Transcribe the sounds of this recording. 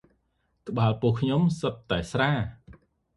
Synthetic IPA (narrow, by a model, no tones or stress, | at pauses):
kə̆ɓaːlpuəhkʰɲomsəp̪̚t̪aɛsraː